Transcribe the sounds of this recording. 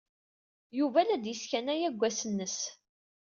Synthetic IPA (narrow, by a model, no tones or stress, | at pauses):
juvælæd̪jiskænæjæɡʷːæsənːəs